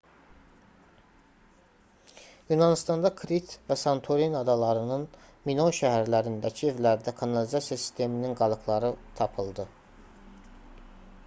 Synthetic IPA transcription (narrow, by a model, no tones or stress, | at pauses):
junɑnist̪ɑnd̪ɑkʰɾit̪væsɑnt̪ʰoɾinɑd̪ɑlˠɑɾɯnɯn | minoʃæɦæɾlæɾind̪æcʰie̞vlæɾd̪ækʰɑnɑlizɑsjɑsi̥st̪ʰe̞mininɡɑlˠɯkʰlˠɑɾɯt̪ʰɑpʰɯlˠd̪ɯ